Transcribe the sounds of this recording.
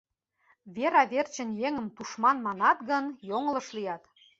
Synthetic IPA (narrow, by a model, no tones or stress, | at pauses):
βeɾɑβert͡ɕə̆njeŋə̆mt̪uʃmɑnmɑnɑt̪ɡɤ̆njoŋlɤ̆ʃlijɑt̪